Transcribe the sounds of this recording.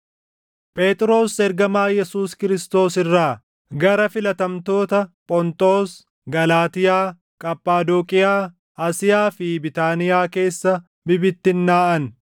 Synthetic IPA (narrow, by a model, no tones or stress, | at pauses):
pʼe̞ːt̪ʼɪɾo̞ːsɛɾɡɐmaːjɛsuːskɪɾɪst̪o̞ːsɪrːaː | ɡɐɾɐfɪlɐt̪ɐmt̪o̞ːt̪ɐpʼɔnt̪ʼo̞ːs | ɡɐlaːt̪ɪjaː | kʼɐpʼːaːd̪ɔkʼɪjaː | aːsɪjaːfɪbɪt̪aːnɪjaːke̞ːsːɐ | bɪbɪt̪ːɪnːaːʔɐn